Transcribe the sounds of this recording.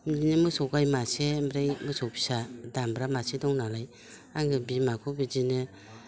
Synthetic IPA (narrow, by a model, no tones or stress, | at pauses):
mlinɯmɯsɔwɡajmasemɾejmɯsɔpʰi̥sadambɾamasedɔŋnalaj | aŋɡɯbimakʰɔbid͡ʒinɯ